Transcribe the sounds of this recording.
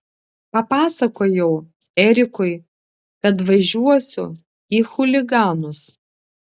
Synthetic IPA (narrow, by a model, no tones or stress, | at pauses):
pɐpɑːsɐkoːjɛʊ | ɛɾʲɪkʊɪ | kɐt̪ʋɐʒʲuɔsʲʊ̰ | iːxʊlʲɪɡɑːnʊs